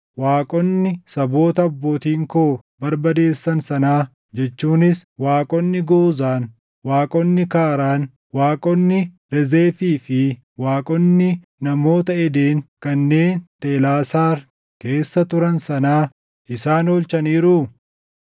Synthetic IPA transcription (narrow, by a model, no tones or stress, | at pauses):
waːkʼɔnːɪsɐbo̞ːt̪ɐːbːo̞ːt̪iːŋkoː | bɐɾbɐd̪e̞ːsːɐnsɐnaː | d͡ʒɛt͡ʃːuːnɪswaːkʼɔnːɪɡoːzaːn | waːkʼɔnːɪkaːɾaːn | waːkʼɔnːɪ | ɾɛzeːfiːfɪ | waːkʼɔnːɪ | nɐmo̞ːt̪ɐɛd̪e̞ːŋkɐnːe̞ːnt̪eːlaːsaːɾ | ke̞ːsːɐt̪ʊɾɐnsɐnaː | ʔɪsaːnoːlt͡ʃɐniːɾʊ